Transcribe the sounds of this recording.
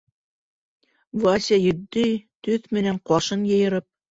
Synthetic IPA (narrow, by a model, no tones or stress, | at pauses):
vasʲejɵ̆d̪ːɘjt̪ɵθmɘ̆næɴqɑʃɤnjɤ̆jɤ̆ɾɤp̚